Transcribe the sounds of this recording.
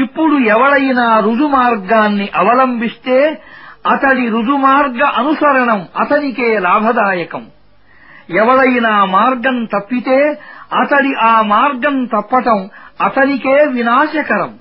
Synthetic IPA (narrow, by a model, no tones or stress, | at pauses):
ipːuɽuɛʋɐɽɐjnaːɾud͡ʒumaːɾɡaːnːiʔɐʋɐlɐmbʱist̪e̞ːɐt̪ɐɽiɾud͡ʒumaːɾɡɐʔɐnusɐɾɐɳɐmɐt̪ɐnikeːlaːbʱɐd̪aːjɐkɐm | ɛʋɐɽɐjnaːmaːɾɡɐnt̪ɐpːit̪eːɐt̪ɐɽiʔaːmaːɾɡɐnt̪ɐpːɐʈɐmɐt̪ɐnikeːʋinaːʃɐkɐɾɐm